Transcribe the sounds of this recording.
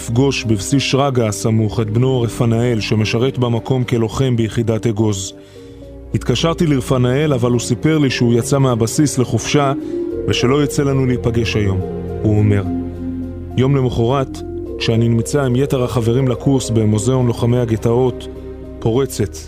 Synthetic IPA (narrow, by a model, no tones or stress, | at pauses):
ifɡo̞ʃbivsiʃʁaɡasamuχet̪̚bnoʁefanae̞lʃe̞me̞ʃaʁe̞tbamako̞mke̞lo̞χe̞mbejeχidateɡo̞z | hit̪kaʃaʁtiliʁfanae̞lavalusipe̞ʁliʃeujat͡sameabasisle̞χofʃaveʃe̞lo̞jit͡se̞lanuleipaɡe̞ʃajo̞m | uome̞ʁ | jo̞mle̞moχoʁat | kʃeaninimt͡saimje̞te̞ʁhaχave̞ʁimlakʰuʁsbemozeo̞nlo̞χamejaɡet̪ao̞t̪ | po̞ʁe̞t͡se̞t̪